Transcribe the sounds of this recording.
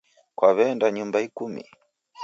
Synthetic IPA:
kwaβɛndaɲumbaikumḭ

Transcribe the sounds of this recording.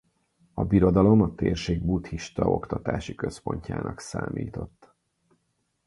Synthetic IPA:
ɒbiɾo̞d̪ɒlo̞mɒt̪eːrʃeːɡ̚but̪hiʃt̪ɒʔo̞kt̪ɒt̪aːʃikø̞spo̞ɲca̰ːnʔɒksaːmʔiːt̪o̞t̪ː

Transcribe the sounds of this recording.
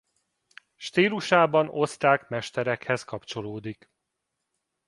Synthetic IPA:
ʃt̪iːluʃaːbɒno̞st̪aːkmɛʃt̪ɛɾɛkhɛskɒpt͡ʃo̞loːd̪ik

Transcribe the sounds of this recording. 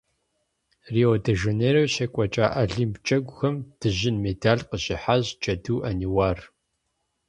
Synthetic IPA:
rioːdɐʒeneːɾɐwɕɐkʷʼɔt͡ʃʼa̰ːʔɐɮimpt͡ʃʼɐɡʷʊxɐmd̥ɨʑɪnmedʰaːɮqəɕɪħaʑt͡ʃʼɐduːʔɐniwaːr

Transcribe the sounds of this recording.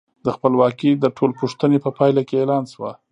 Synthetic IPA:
d̪əxpəlwɑkid̪əʈʰolpuʂt̪ənepəpɑjlakeelɑnswa

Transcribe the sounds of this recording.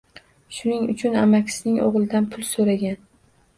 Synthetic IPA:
ʃʊnɪŋʊ̰t͡ʃʰʊnamakʲsɪnɪŋo̰ʁlˠɪd̪anpʰʊlˠsoɾaɡʲan

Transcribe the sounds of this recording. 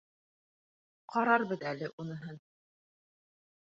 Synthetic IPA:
qɑɾɑɾbɤðælɘʔunɤ̆ɦɤn

